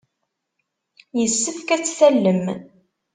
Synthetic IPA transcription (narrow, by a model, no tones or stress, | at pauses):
jəsːəfkæt͡sːθælːəm